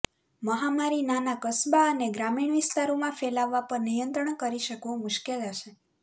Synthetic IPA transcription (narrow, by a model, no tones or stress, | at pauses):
məɦamaɾinanakəsbaəneɡɾamiɳ̃ʋist̪aɾomãfɛlaʋːapəɾnijənt̪ɾəɳkəɾiʃəkʋõmʊʃkeləʃe